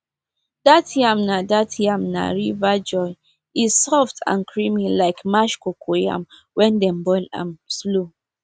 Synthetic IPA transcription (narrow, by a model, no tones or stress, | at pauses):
d̥atʰjamnadatʰjamna̰ɹivad͡ʒɔɪ | iz̥sɔftʰã̰nkʰɹimilaɪkmaʃkokʰoja̰m | wɛ̃ndɛ̃mbɔlã̰mslo